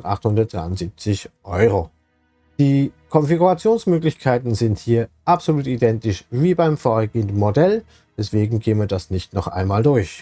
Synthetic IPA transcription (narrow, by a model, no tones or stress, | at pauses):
ʔa̰χthʊndɐt̚d̥ʁa̰ɪʊnz̥iːp̚t͡sɪçʔɔʏʁo | d̥iːkʰɔnfiɡuʁat͡sjoːnsmøːklɪçkʰaɪtn̩zɪnthiːɐʔapz̥oluːtidɛntɪʃviːbaɪmfoːɡeːəndn̩modɛl | v̥ɛsv̥eːɡŋ̩ɡeːənviːɐdasnɪçtnɔχʔa̰ɪnmaːldʊɐç